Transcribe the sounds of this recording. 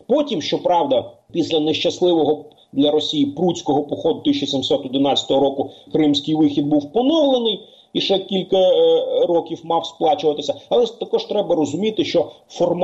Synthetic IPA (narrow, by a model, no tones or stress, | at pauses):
pɔtʲimʃt͡ʃɔpɾɑwd̪ɐ | pʲisʲlʲɐneʃt͡ʃɐslˠɪʋɔɦɔ | d̪lʲɐɾɔsʲijipɾutʲt͡sʲkɔɦɔpɔxɔd̪ʊt̪ɪs̬ʲt͡ʃɔsʲimsɔt̪ɔd̪ɪnɑt͡sʲɐ̥t̪ɔɦɔɾɔkʊkɾɪmsʲkɪjʋɪxʲid̪̚buwpɔnɔwlˠenɪj | iʃɛkʲilʲkɐɾɔkʲiwmɑwsplˠɑt͡ʃʊʋɐt̪ɪsʲɐɐlˠɛt̪ɐkɔʒt̪ɾɛbɐɾɔzʊmʲit̪ɪʃt͡ʃɔ | fɔrm